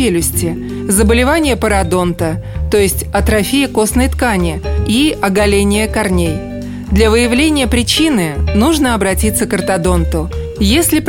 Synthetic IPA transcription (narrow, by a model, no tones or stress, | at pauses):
elʲʊsʲtʲɪ | zəbəlʲɪvanʲɪjəpəɾɐd̪o̞nt̪ə | t̪o̞jɪsʲtʲɐt̪ɾɐfʲijɪko̞snəjt̪kanʲɪiɐɡɐlʲenʲɪjəkɐrnʲej | d̪lʲavɨjɪvlʲenʲɪjəpɾʲɪt͡ɕinɨnuʐnəɐbɾɐtʲit̪sːəkərt̪ɐd̪o̞nt̪ʊ | jesʲlʲɪp